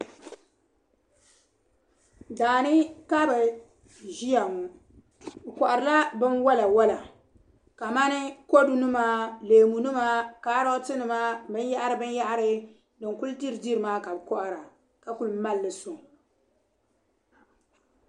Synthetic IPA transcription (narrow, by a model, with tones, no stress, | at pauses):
daː˨nɨ˦ka˦bɨ˨ | ʒi˦a˨mu˨ | bkɔ˨ʔa˨ɾɨ˨la˦bɨ˦nwa˦la˨wa˦la˨ | ka˨ma˦nɨ˦ko˦du˦nɨ˦maː˦leː˨mu˨nɨ˦maː˦kaː˨˦ɾɔ˦tɨ˦nɨ˨maː˦bɨ˦nja˦ʔa˦ɾɨ˨˦bɨ˦nja˦ʔa˦ɾɨ˦ | dɨ˨ŋku˦ldi˦ɾɨ˨di˦ɾɨ˨maː˦ka˨bɨ˨kɔ˦ʔa˨ɾa˨ | ka˨ku˦lma˦lːɨ˨so˨